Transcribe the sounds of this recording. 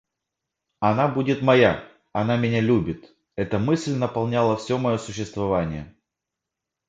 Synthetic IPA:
ɐnabudʲɪt̪mɐja | ɐn̪amʲɪnʲalʲubʲɪt̪ | ɛt̪əmɨsʲlʲnəpɐlˠnʲalˠəfsʲo̞mɐjo̞sʊɕːɪst̪vɐvanʲɪjə

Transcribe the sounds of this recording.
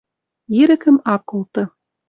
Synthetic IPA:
jiɾɘ̆kɘ̆mɑkːolˠt̪ɤ̆

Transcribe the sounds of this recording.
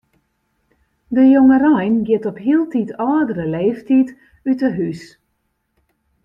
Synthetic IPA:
dəjoŋərajnɡɪtɔpɦiəlˠtitʰɔːdərəleːftit | ytəɦys

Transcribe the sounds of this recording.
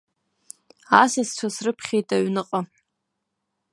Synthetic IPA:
asast͡ʃʷʰasrɨpʰχʲejtʼaɥnɨqʼa

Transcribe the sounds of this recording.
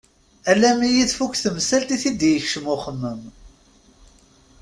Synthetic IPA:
ælæmijiðfukʷθəmsælt̪iθid̪jəçʃəmʊχəmːəm

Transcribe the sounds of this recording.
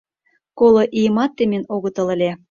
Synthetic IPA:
kolŏʔijəmɑt̪ːemenoɣə̆t̪ɤ̆lə̆lʲe

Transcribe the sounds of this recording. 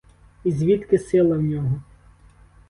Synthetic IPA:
izʲʋʲit̪kɪsɪlˠɐwnʲɔɦɔ

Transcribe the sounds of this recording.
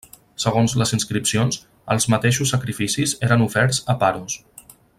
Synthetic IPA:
səɣonzləzinskɾipsionz | əlˠzmət̪eʃusːəkɾifisizeɾənufɛɾzəpaɾus

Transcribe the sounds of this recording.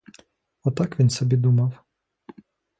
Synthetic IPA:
ɔt̪ɑkʋʲinsɔbʲid̪umɑw

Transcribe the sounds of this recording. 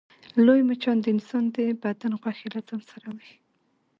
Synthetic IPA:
lojmat͡ʃɑnd̪əɪnsɑnd̪ebad̪anɣwaxilat͡samsaɾawi

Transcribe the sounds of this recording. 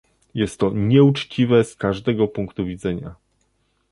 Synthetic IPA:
jɛst̪ːɔɲɛut͡ʂt͡ɕivɛskaʐd̪ɛɡɔpuŋkt̪uvʲid̪zɛɲa

